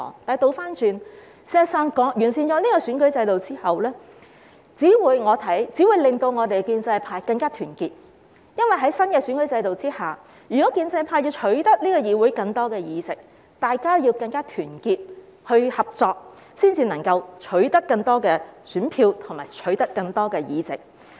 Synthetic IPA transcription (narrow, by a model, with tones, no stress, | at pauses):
ɔ̰˨˥ŋt̪aː˨˧jt̪o˧wfaː˥nt͡ʃyː˨˧n | sɛː˧sœː˨˧ŋkɔː˨˥ŋjyː˨˩nsiː˨nt͡ʃɔː˨˥niː˥kɔ˧syː˨˥nkɵ˨˥ɥt͡sɐ˧jt̪o˨wt͡siː˥hɐ˨wlɛː˥ | t͡siː˨˥wuː˨˧jŋɔː˨˧t̪ʰɐ˨˥jt͡si˨˥wuː˨˧jlɪ˨ŋt̪o˧wŋɔː˨˧t̪e˨kiː˧nt͡sɐ˧jpʰaː˧jkɐ˧ŋkaː˥t̪ʰyː˨˩nkiː˧t̚ | jɐ˥nwɐ˨jɦɐ˨˥jsɐ˥nkɛː˧syː˨˥nkɵ˨˥ɥt͡sɐ˧jt̪o˨wt͡siː˥haː˨˩ | jyː˨˩kɔ˨˥kiː˧nt͡sɐ˧jpʰaː˧ji˧t͡ʃʰɵ˨˥ɥt̪ɐ˥k̚liː˥kɔː˧jiː˨˧wuː˨˥jkɐ˧ŋt̪ɔː˥kɛː˧jiː˨˧t͡sɪ˨k̚ | t̪aː˨jkaː˥ji˧wkɐ˧ŋkaː˥t̪ʰyː˨˩nkiː˧t̚ | hɵ˧ɥhɐ˨p̚t͡sɔː˧k̚ | siː˥nt͡siː˧nɐ˨˩ŋkɐ˧wt͡ʃʰɵ˨˥ɥt̪ɐ˥kːɐ˧ŋt̪ɔː˥kɛː˧syː˨˥npʰiː˧wt̪ʰʊ˨˩ŋma̰ː˨˩jt͡ʃʰɵ˨˥ɥt̪ɐ˥kːɐ˧ŋt̪ɔː˥kɛː˧jiː˨t͡sɪ˨k̚